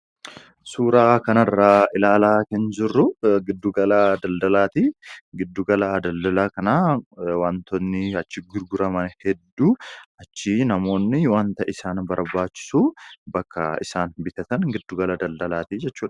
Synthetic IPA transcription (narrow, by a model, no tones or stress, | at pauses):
suːɾaːkɐnɐrːaːɪlaːlaːkɐnd͡ʒɪrːʊɡɪd̪ːuɡɐlad̪ɐld̪ɐlaːt̪iɡɪd̪ːuːɡɐlad̪ɐld̪ɐlaːkɐnaːwaːnt̪ɔnːɪɐt͡ʃːɪɡʊɾɡʊɾɐmɐnhɛd̪ːuːɐt͡ʃːɪnɐmo̞ːnːɪwaːnt̪ɐʔɪsaːnbɐɾbaːt͡ʃːɪ̥suːbɐkːɐ̰ɪ̰saːnbɪt̪ɐt̪ɐnɡɪd̪ːuɡɐlɐd̪ɐld̪ɐlaːt̪id͡ʒɛt͡ʃːuːᶑ